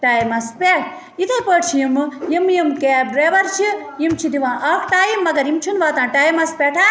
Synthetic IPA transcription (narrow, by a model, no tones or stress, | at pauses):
ʈaːjimɐspeʈʰ | it̪ʰɐpəʈt͡ʃʰijimɨjimjimkeːbɾeːʋɐɾt͡ʃʰi | jimt͡ʃʰid̪iʋãːʔɐkʰʈaːjimːɐɡɐɾimt͡ʃʰunʋaːt̪ãːʈaːjimɐspeʈʰa